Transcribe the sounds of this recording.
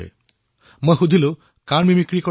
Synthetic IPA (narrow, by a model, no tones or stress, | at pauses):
ḛ | mojxud̪ʱilʊ̃ | kanmimikɹikɔ